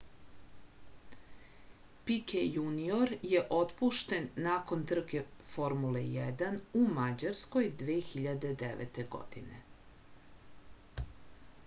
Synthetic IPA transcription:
pikejunioɾje̞ʔo̞t̪puʃt̪e̞nːako̞nt̪r̩kefo̞ɾmulejɛd̪anumad͡ʑaɾsko̞jd̪ʋeːxiʎad̪e̞d̪eʋḛt̪e̞ɡo̞̰d̪̥ḭnḛ

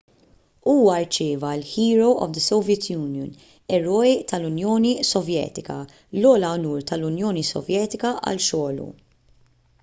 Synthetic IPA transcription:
uːwɐɾt͡ʃɪːvɐɪlħiːɾowʔɔ̰vd̪əsɔwvjɛt̪ʰjuːnjɔn | ɛɾɔːjt̪ɐlʊnjɔːnisɔvjɛ̰ːt̪ɪkɐ | lɔːlɐwnuːɾt̪ɐlʊnjɔːnisɔ̰vjɛːt̪ɪkɐʔɐ̰lʃɔːlṵ

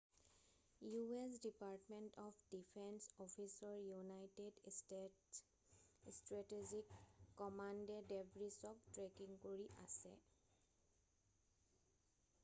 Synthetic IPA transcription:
jues̬dipaɹtmentɔpʰdipʰɛnsɔpʰisɔɹjunajted | stɹatezikːɔmandɛdebʱɹisɔk̚tɹekiŋkoɹiʔa̰sɛ̰

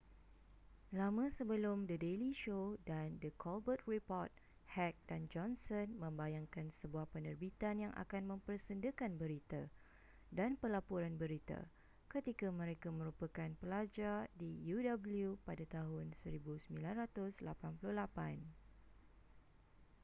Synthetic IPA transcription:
lamãsəbəlʊmdədeliʃodandəkʰɔlbət̪̚ripɔrt̪̚ | hɛk̚dand͡ʒɔnsənmə̃mbajaŋkansəbuahpənərbit̪anjaŋʔa̰kanmə̃mpərsəndəkanbəɾit̪a | danpəlapuɾanbəɾit̪a̰ | kət̪ikamə̃ɾekamə̃ɾupakanpəlad͡ʒardijudabəljupadat̪aɦʊnsəɾibusəmbilanrat̪ʊsla̰panpulʊhlapan

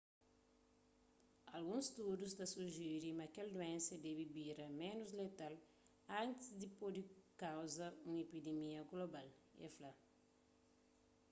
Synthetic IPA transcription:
ɐlɡũŋst̪udust̪ɐsuʒiɾimɐkɛld̪uẽnsɐd̪ɛbibiɾɐmẽnuzlet̪al | ãnt̪izd̪ipod̪ikawzɐũŋepid̪emiɐɡlobalɛ̰fla

